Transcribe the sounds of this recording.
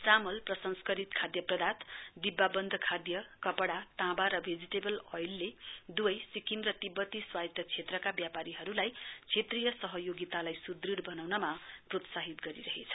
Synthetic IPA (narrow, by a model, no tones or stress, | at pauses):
t͡samʌlprʌsʌnskʌɾit̪kʰad̪jʌprʌd̪at̪d̪ibːabʌnd̪ʱʌkʰad̪jʌkʌpʌɽat̪ãbaɾʌbʱed͡ziʈebʌlʌjlːed̪uʌjsikimrʌt̪ibʌt̪iswajt̪ʌt͡sʰet̪rʌkabjapaɾiɦʌɾulajt͡sʰet̪rijʌsʌɦʌjoɡit̪alajsud̪riɽbʌnawnʌmaprot̪saɦit̪ɡʌɾiɾʌɦet͡sʰʌ̥